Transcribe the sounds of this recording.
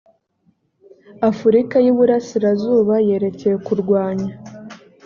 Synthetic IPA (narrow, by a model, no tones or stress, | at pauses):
afuɾikajiβuɾasiɾazuːβaje̞ɾe̞ce̞je̞kuɾɡwaːɲa